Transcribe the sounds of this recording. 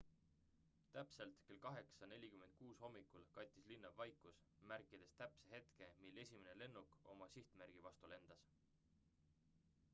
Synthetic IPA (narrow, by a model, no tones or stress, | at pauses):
t̪æpse̞lt̪ke̞lkɑɦe̞ksɑne̞lʲikyme̞nt̪̚kuːsho̞mːikːˑulkɑjt̪ʲːˑislinːɑvːɑjkus | mærkːid̪̥e̞st̪æpseɦe̞t̪ke̞milːe̞sʲimene̞le̞nːuko̞̰mɑsiht̪mærɡ̥ivɑst̪ule̞nd̪̥ɑs